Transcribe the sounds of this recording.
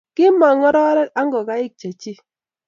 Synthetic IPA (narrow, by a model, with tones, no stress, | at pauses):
kɪ˦mɔ˨ŋɔ˦ɾɔ˦ɾɛ˦ka˦ŋɡɔ˨ka˨˦ɪ˦k̚t͡ʃa˨t͡ʃi˦